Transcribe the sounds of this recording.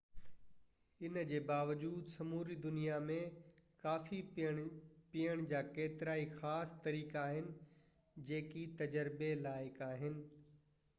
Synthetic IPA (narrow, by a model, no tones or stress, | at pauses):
ɪnd͡ʑeːbaːʋəd͡ʑuːd̪sɐmuːɾid̪ʊnijamẽkaːfi | pijəɽ̃d͡ʑaːkeːt̪ɪɾaːixaːst̪ɐɾiːkaːɦɪnɪ̆ | d͡ʑeːkit̪ɐd͡ʑəɾbelaːɪkaːɦɪnɪ̆